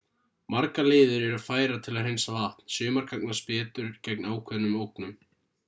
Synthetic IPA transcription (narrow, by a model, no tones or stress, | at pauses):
maɾkalɪːðʏɾɛɾʏðfaːjɾat̪ʰɪlaðrejnsavaht̪n̥sjʏːmaɾ̥kʰaknaspɛːt̪ʏɾ̥cɛknaːwkʰvɛðnʏmowknʏm